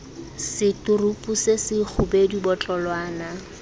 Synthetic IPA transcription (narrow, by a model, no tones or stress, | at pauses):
sɪtʊrupʼusesɪk͡xʰʊbedibɔt͡ɬʼɔlwaːna